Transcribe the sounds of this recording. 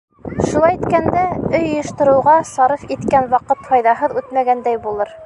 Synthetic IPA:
ʃulˠɑjit̪kænd̪æɵjŏjɤ̆ʃt̪ɤ̆ɾɤ̆wʁɑsɑɾɤfit̪kænwɑqɤt̪hɑjðɑɦɤðʉt̪mæɡænd̪æjbulˠɤɾ

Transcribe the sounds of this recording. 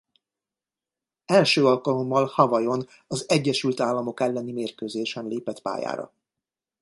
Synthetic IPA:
ɛlʃøːɒlkɒlo̞mːɒlhɒvɒjo̞n | ɒzɛɟːɛʃylt̪aːlːɒmo̞kɛlːɛnimeːrkøːzeːʃɛnleːpɛt̪pa̰ːja̰ːɾɒ̰

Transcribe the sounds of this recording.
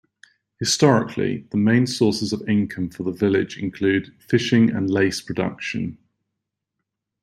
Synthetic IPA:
hɪstɒɹɪ̰kʰlḭðəmẽɪ̃nsɔˑsɪzəvɪ̃ŋkʰə̃ɱfəðəvɪlɪ̰d͡ʒɪ̰̃nkʰl̥ʉːd̥fɪʃɪ̃ŋə̰̃nleɪspʰɹ̥ədʌ̰kʃə̃n

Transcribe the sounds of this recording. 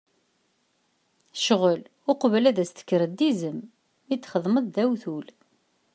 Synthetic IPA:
ʃəʁəl | ʊqvlæðæst̪ə̥kːɾəd̪izəm | it͡s̪ːχəðˤməðˤðæwθul

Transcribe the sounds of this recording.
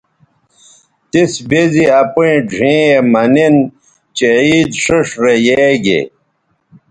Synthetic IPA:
t̪isbeziɐpuĩd͡ʑʱĩːemɐnin | t͡ɕeiːd̪ʂəʂɾejeɡḛ

